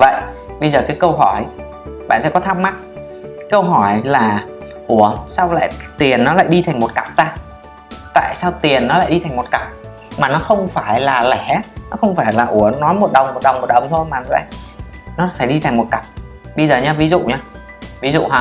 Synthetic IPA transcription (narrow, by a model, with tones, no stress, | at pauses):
və̰˧˨jʔ | ɓə˧jzəː˨˩kaː˨˦jkə˧wɦɔ˧˩j | ɓa̰ː˧˨nsɛ̰˧˥kɔ˨˦t̪ʰaː˧m̚ma˦˥t̚ː | kə˧wɦɔ˧˩jlaː˨˩ | ʔu˧˩əsa˧wla̰ː˧˨jt̪i˨˩ənːɔ˨˦la̰ː˧˨jɗi˧t̪ʰjŋ̟mo˨˩t̚ka˨˩p̚t̪aː˧ | t̪a̰ː˧˨jsaː˧wt̪i˨˩ənːɔ˨˦la̰ː˧˨jɗi˧t̪ʰŋmo˨˩t̚ka˨˩p̚ | maː˨˩nɔ˨˦xə˧wŋ͡mfaː˧˩jlaː˨˩lɛ˧˩nɔ˨˦xə˧wŋ͡mfaː˧˩jlaː˨˩ʔu˧˩ənɔ˨˦jmo˨˩t̚ɗə˨˩wŋ͡mmo˨˩t̚ɗə˨˩wŋ͡mmo˨˩ɗə˨˩wŋ͡mt̪ʰo˧jmaː˨˩nɔ˨˦la̰ː˧˨nɔ˨˦faː˧˩jɗi˧t̪ʰa˨˩ŋmo˨˩t̚ka˨˩p̚ | ɓə˧jzəː˨˩ɲaː˧vi˨˦zṵ˧˨ɲaː˧ | vi˨˦zṵ˧˨ɦa˧˩